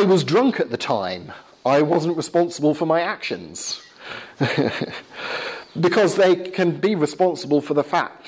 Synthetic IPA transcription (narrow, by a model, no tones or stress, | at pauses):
aɪwɒzdɹʌ̃ŋkʰɨʔ̪̚ðɨtʰãɪ̃m | aɪwɒz̃nʔɹɨspɑ̃nsəbəlˠfə˞maɪakʃɨ̰̃nz̥ | bɨkʰɒzðeɪkʰɨ̃nbiɹɨspɑ̃nsəbəlˠfə˞ðəfa̰k̚t